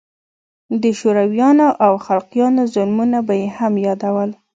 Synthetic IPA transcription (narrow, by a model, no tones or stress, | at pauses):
d̪əʃoɾawjɑnoʔawxalqjɑnozʊlmunabajehamjɑd̪awəl